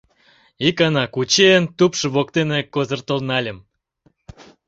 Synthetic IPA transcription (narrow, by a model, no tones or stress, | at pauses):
ikɑnɑkut͡ɕeənt̪upʃɤβokt̪enekozərt̪ə̆lnɑlʲəm